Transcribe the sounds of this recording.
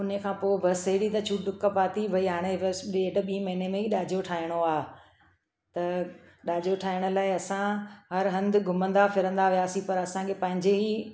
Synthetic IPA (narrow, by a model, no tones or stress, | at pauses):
ʊnəkʰãːpoːbʱɐsɐɦɪɽit̪ɐt͡ɕʰuɖʊkəpaːt̪iʋɐiɦaːɽ̃eʋseːɖ̆ɓĩːmɐɦɪnemẽiɗaːd͡ʑoʈʰaːɪɽ̃oaːɦ | t̪ɐ | ɗaːd͡ʑoʈʰaːɪɽ̃ʊ̆laːɪɐsãɦɐɾɦɐ̃nd̪ɡʱʊmə̃nd̪afɪɾə̃nd̪aʋiaːsĩpɐɾɐsãkʰeːpɐ̃ɦɪ̃ɲd͡ʑeɦiː